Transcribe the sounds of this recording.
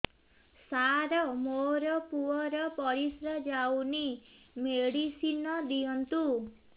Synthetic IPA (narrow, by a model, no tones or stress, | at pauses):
saɾɔmoɾɔpuɔɾɔpɔɾisɾad͡ʒawni | meɽisinɔd̪iɔnt̪u